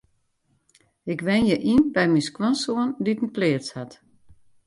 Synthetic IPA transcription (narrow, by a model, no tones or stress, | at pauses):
ɪkʋɛnjəʔinbɛjminskwɔnsoənditn̩plɪːəshat